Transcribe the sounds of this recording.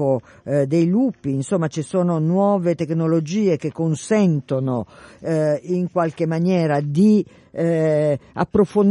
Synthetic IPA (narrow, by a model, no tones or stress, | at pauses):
o | d̪ejluːpiːnsomːat͡ʃisoːnonwɔːvet̪eknolod͡ʒiːek̟ekːonsɛnt̪ono | iŋkwalkemːanjɛːɾad̪i | a̰pːɾofon